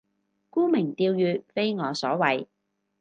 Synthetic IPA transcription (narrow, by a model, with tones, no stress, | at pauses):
kuː˥mɪ˨˩ŋt̪iː˧wjyː˨˧t̚fe˥jŋɔː˨˧sɔː˨˥wɐ˨j